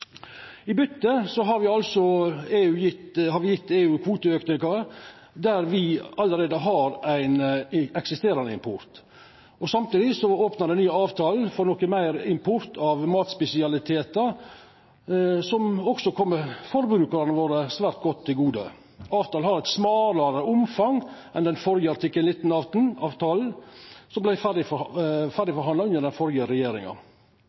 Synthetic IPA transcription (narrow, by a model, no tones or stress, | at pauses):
ɪbʏt̪ːəsɔɦɑɾʋɪɑlsɔeːʉːjɪt̪hɑɾʋɪjɪt̪ːeːʉːkʰʋuːt̪əøːknɪkɑɾ | d̪æɾʋɪɑləɾeːd̪əɦɑɾæɪnɛksɪst̪eːɾɑnəɪ̰mpʰʊɾt̪ | ɔsɑmt̪iːd̪ɪsɔoːpnɑɾɛnyːəɑːʋt̪ʰɑːlfɔɾnɔkəmæɪɾɪmpʰʊɾt̪ʰɑʋmɑːt̪spɛsɪɑlɪt̪ʰeːt̪ə | sɔmɔɡsɔkʰɔmːəfɔɾbɾʉːkɑɾɑnəʋoːɾəsʋæːɾt̪̚ɡɔt̪ʰːɪlɡuːd̪ə̰ | ɑːʋt̪ɑːl̩hɑɾɛt̪smɑːləɾəʊmfɑŋʔɛnd̪ɛnfɔɾjəɑɾt̪ʰɪkːənlɪt̪ːn̩ɑːʋt̪n̩ɑːʋt̪ʰɑːl̩sɔmblæɪfæɖɪfæɖɪfɔɾɦɑnɑʉnːəɖ̪ɛnfɔɾjəɾɛjeːɾɪ̰ŋɑ̰